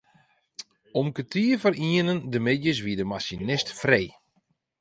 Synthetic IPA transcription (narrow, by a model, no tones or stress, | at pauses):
ɔmkətʰiəfəɾiənəndəmɪdjəs̬ʋiədəmasinɪstfrej